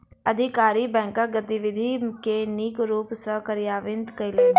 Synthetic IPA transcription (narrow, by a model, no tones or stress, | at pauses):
ɐd̪ʱɪkaːɾibɛ̃ːŋkaɡət̪iʋɪd̪ʱikeniːkɾuːpsəkəɾɪjaːʋɪ̃nd̪kɐɪleː